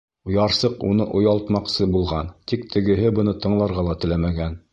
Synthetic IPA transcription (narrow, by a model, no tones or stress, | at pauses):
ŭjɑɾsɤqunɤʔŏjɑlˠt̪mɑqsɤbulˠʁɑnt̪ik̚t̪ʰɘ̆ɡɘ̆ɦɘbɤ̆nɤt̪ɤ̆ɴlˠɑɾʁɑlˠɑt̪ɘ̆læmæɡæn